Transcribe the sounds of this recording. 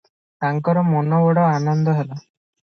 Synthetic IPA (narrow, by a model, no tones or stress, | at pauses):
t̪aŋkɔɾɔmɔnɔbɔɽɔanɔnd̪ɔɦela